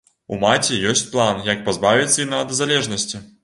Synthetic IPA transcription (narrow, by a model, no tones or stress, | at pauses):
ṵmat͡sʲɛjɔsʲt͡sʲplˠanjɐk̚pazbavʲit̪sːɐinɐd̪ɐzalʲɛʐnɐsʲt͡sʲi